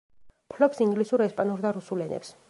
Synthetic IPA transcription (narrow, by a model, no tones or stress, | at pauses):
pʰlɔpsiŋɡlisuɾɛspʼanuɾd̪aɾusulɛnɛ̰ps